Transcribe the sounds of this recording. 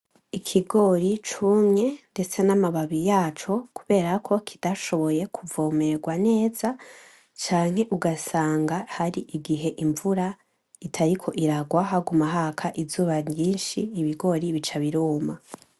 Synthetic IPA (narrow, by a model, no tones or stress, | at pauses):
ikʰiɡo̞ɾit͡ʃumɲe̞nde̞t͡se̞namaβaβijaːt͡ʃo̞kuβe̞ːɾakʰo̞kʰi̥d̥aʃo̞βo̞je̞kʰuvoːme̞ɡwane̞ːza | t͡ʃaːŋ̥he̞ʔuɡasaːŋɡahaɾiʔiɡiɦe̞ʔiɱvuɾa | itʰaɾikʰo̞ʔiɾaɡwaɦaɡumaɦakʰaʔizuːβaɲiːnʃiːβiɡo̞ɾiβit͡ʃaβiɾoːma